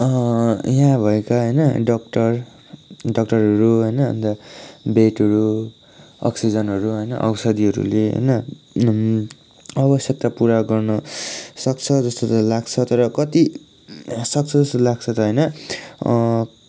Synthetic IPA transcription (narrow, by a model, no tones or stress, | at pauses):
ʌjãbʱʌekaɦʌjnʌɖʌk̚ʈʌr | ɖʌk̚ʈʌrɦʌɾuɦʌjnʌʌ̰nd̪abeʈʌɾu | ʌ̰ksid͡zʌnɦʌɾuɦʌjnʌ̰ʔʌ̰wsʌd̪iɦʌɾṵleɦʌ̰jnʌ | ʌbʌsjʌk̚t̪apuɾaɡʌrnʌsʌk̚t͡sʰʌd͡zʌst̪ot̪ʌlaɡt͡sʰʌt̪ʌɾʌkʌt̪i | sʌk̚t͡sʰʌd͡zʌst̪olaɡ̚t͡sʰʌt̪ʌɦʌjnʌ